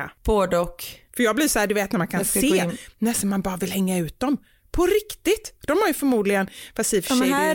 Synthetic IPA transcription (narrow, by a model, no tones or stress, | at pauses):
b̥oːd̪əɔkfœɾjɑːɡ̚blɪsɔhæːɖ̪ɵveːt̪næɾmankʰanseːnɛsɔnmanbɑːɾavɪlhɛŋːaʉ̟ːt̪̚d̪ɔm | pʰɔɾɪkt̪ɪt̪d̪̥ɔmhaɾjɵfœɾmuːd̪lɪɡənfasiːf